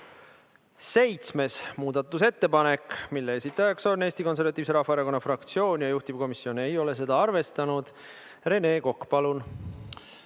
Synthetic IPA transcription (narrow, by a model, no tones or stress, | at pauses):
se̞jt̪sme̞smuːd̪̥ɑt̪ːˑuse̞t̪ːe̞pɑne̞kmilːeesit̪ːˑɑjɑksoneːst̪iko̞nsevɑt̪ˑiːviseɾɑhfːɑeɾɑko̞nːɑfrɑkt̪sio̞ːnʲjɑjuht̪ib̥ko̞misːio̞ne̞jo̞le̞s̬e̞d̪ɑɑrve̞st̪ɑnud̪̥ | re̞ne̞ːko̞kːpɑlun